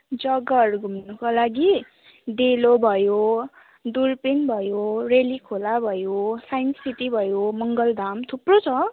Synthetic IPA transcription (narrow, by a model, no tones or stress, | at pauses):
d͡zʌɡʌruɡʱumnukalaɡi | d̪elobʱʌjo | d̪urpinbʱʌjorelikʰolabʱʌjosajniʈibʱʌjomʌŋɡʌld̪ʱamt̪ʰuprot͡sʰʌ